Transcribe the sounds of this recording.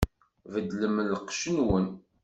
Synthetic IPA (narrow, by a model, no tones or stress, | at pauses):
vəd̪ləmlːqʃənwən